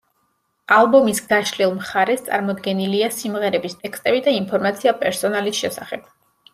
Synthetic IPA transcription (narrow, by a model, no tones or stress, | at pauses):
alˠbɔmisɡaʃlilˠmχaɾɛst̪sʼa̰ɾmɔd̪ɡɛniliasimʁɛɾɛbist̪ʼɛkst̪ʼɛbid̪ainpʰɔɾmat̪sʰiapʼɛɾsɔnalisʃɛsaχɛb̥̚